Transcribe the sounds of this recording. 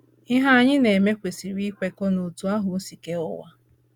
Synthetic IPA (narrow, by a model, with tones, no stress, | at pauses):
ɪ˦ɦa˦ɲɪ˦ne˨me˦kʷe˨si˨ɾi˦kʷe˨˦ko˦no˨tu˦a˦ɦʊ˨o˦si˨ke˦ʊ̰˦wa̰˦